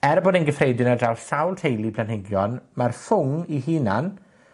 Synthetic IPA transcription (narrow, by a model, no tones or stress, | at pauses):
ɛɾboːdɛnɡəfrejdɪnadawsawlˠtʰejlipʰlanhɪɡjɔnmarfʊŋiɦiːnan